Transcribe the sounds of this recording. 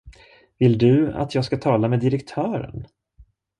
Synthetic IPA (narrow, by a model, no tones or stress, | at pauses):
vɪld̪ɵa̰t̪ʰjɑːɡskat̪ʰɑːlameːd̪ɪɾɛkt̪ʰœːɾə̰n